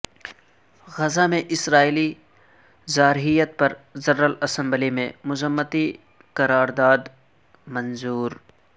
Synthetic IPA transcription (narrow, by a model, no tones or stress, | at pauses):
ɣɐzamẽʔɪsɾaːili | zaːɾɦijət̪̚pɐɾzɐɾːəlɐsɐ̃mblimḛ̃mʊzəmːət̪i | kɐɾaːɾd̪aːd̪ | mɐ̃nzuːɾ